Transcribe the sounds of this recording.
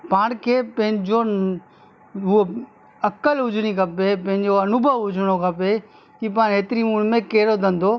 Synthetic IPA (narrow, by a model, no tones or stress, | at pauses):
paːɽ̃kʰeːpɐ̃ɦɪ̃ɲd͡ʑo | ɦʊɦo | ɐkəlɦʊd͡ʑʱɽ̃ikɐpepɐ̃ɦɪ̃ɲd͡ʑoɐnʊbʱəʋɦʊd͡ʑʱɽ̃okʰɐpe | kip̬aːɽɦeːt̪ɪɾimuːnmẽkeːɾod̪ə̃n̆d̪o